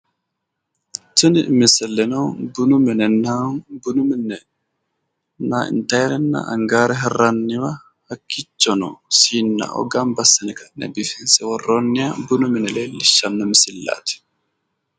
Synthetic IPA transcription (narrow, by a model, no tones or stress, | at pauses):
tunimisɛlːɛnɔbunumɛnɛnabunuminːɛ | naḭntajɾɛnːa̰a̰ŋɡaːɾɛɦɛranːiwa | hakːit͡ʃːɔnɔ̰sinːa̰ɔ̰ɡambasinɛkanɛ̰bifinsɛwɔrːɔnːijabunuminɛlɛliʃːanːɔmisilːa̰t̪i̥